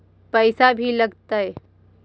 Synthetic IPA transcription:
pəɪsabʱilɐɡt̪aɦɛ

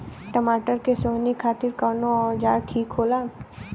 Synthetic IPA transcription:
ʈəmaːʈəɾkesoːnikʰaːt̪ɪɾkɔːnoɔːɾd͡ʒaːɾʈʰiːkɦoːlaː

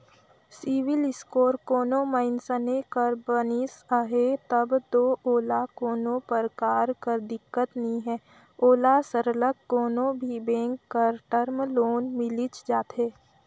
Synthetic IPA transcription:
siʋɪlɪskoːɾkoːnõməɪnsənekəɾbənisəɦet̪əbd̪oːoːlakoːnõpəɾkaːɾkəɾd̪ɪkːət̪nəɦĩɦɛ̃ː | oːlasəɾləkːoːnõbʱibẽːŋkːəɾʈəɾmloːnmɪlɪt͡ʃd͡ʒaːt̪ɦeː

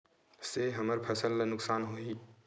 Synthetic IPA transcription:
seɦɐməɾpʰɐsəlːnʊksaːnɦoːi

